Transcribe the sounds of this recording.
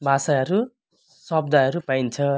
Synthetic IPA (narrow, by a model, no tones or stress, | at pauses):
bʱasajʌɾu | sʌb̚d̪ajɦʌɾupajnt͡sʰʌ